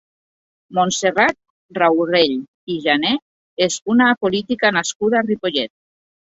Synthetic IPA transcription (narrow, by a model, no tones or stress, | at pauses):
monserat̪̚ | rawreʎ | iʒane | ezunapolit̪ikanaskuðaːripoʎet̪̚